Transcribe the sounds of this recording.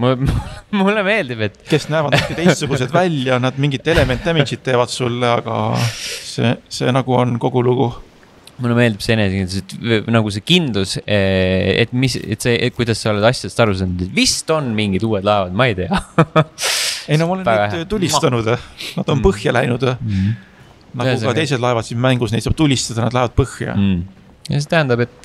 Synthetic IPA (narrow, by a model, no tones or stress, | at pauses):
mummulːeme̞ːld̪ibe̞t̪ːˑke̞snæevɑd̪kːet̪ejst̪suɡ̥us̬e̞d̪vælʲjɑnɑd̪̥miŋɡit̪ːe̞le̞me̞nt̪ːˑæminsit̪ːe̞ːvɑd̪sulːeɑɡ̥ɑ̰sḛse̞̰ːnɑɡ̥uonko̞ɡ̥uluɡ̥u | mulːeme̞ːld̪ib̥seenesekind̪luset̪nɑɡ̥us̬e̞kind̪luseḛt̪miset̪sekujd̪̥ɑsːɑole̞d̪ɑsʲːjɑd̥̪est̪ɑɾus̬ɑnd̪ud̪et̪vist̪o̞nmiŋɡid̪uːe̞d̪̥lɑe̞vɑd̪mɑejt̪e̞ɑ | ejnomolenvæɡɑt̪ulʲːist̪ɑnud̪̥nɑd̪̥o̞npɤhjɑlæjnud̪̥ | nɑusɑt̪e̞jse̞d̪̥lɑevɑd̪sinmæŋɡ̥usnejt̪sɑːb̥̚t̪ulʲːist̪ɑd̪̥ɑnɑd̪̥lɑevɑd̪̚pɤhjɑ̰ | jɑs̬e̞t̪æhænd̪ɑbe̞t̪ːˑ